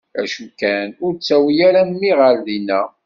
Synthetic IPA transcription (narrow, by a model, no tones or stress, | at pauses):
æ̰ʃukːænʊɾt͡sːæwjæɾænmiʁəɾðinæ